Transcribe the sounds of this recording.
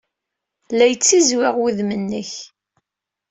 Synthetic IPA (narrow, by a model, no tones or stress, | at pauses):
læjət͡sːizwɪʁwiðmənːəç